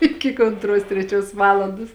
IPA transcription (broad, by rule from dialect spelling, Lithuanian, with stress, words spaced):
ˈɪkʲɪ k oːntˈruɔs tʲrʲɛˈt͡ʃʲuɔs ˈʋɑːlˠɐndoːs